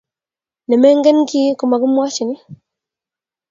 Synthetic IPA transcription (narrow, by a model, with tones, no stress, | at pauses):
nɛ˨mɛ˦ŋɡɛ˦nki˦ku˨ma˨ɡu˦mwa˦t͡ʃi˨ni˦